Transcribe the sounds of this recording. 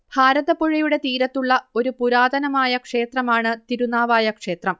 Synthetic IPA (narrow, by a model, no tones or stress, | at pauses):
bʱaːɾɐðɐpoɻijuɽe̞t̪iːɾɐt̪ːuɭːɐo̞ɾupuɾaːd̪ʱɐnɐmaːjɐkʂe̞ːt̪rɐmaːɳɨt̪iɾunaːʋaːjɐkʂe̞ːt̪rɐm